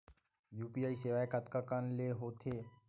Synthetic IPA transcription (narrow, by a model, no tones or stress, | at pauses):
juːpiaːiseʋaːekat̪kakanleɦoːt̪ʰeː